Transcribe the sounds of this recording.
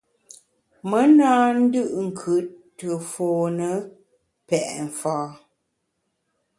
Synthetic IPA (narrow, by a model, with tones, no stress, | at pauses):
mə˦naː˦n̩˦dɯ˦ʔŋ̩˨kʰʉ˨˦ | tːə˨foː˨nə˦ | pɛ˨ʔɱ̩˨faː˨˦